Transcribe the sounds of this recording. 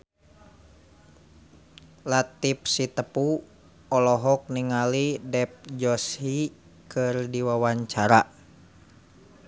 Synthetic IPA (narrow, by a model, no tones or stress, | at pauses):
lat̪ip̚sit̪əpu | ɔlɔɦɔk̚niŋalidɛp̚d͡ʒɔshi | kʰɨrdiwawaɲt͡ʃaɾa